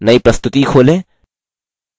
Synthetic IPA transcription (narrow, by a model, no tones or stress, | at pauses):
nɐjpɾɐst̪ut̪iːxole